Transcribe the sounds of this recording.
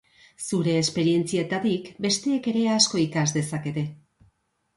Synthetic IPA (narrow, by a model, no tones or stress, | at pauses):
suɾe̞ːspe̞ɾie̞nt͡siat̪at̪ikbe̞st̪e̞ːke̞ɾe̞asko̞ikazd̪e̞sake̞t̪e̞